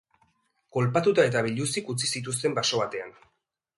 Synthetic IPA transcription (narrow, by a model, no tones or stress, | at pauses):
ko̞lpat̪ut̪ae̞t̪aβ̞iʎusikut͡sisit̪us̬t̪e̞mbaso̞β̞at̪e̞an